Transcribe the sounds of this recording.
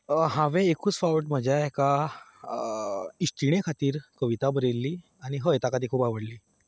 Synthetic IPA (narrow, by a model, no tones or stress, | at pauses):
ɦãʋẽekuːt͡sfawʈm̤əd͡ʑjaeka | ist̪ɾiɽ̃ekʰat̪iːɾkəʋit̪abəɾelːiː | aɽ̃iɦəet̪akat̪ikʰuːpaʋəɽliː